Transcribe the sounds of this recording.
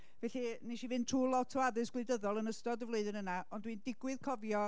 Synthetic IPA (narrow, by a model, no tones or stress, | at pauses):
vɛːɬiniʃivɨntʰruːlˠɔtʰəaðɨsɡ̥lɨɨdəðɔlˠənəstɔdəvlˠoɨðɪnənaɔndwindɪɡwɨðkʰɔvjɔ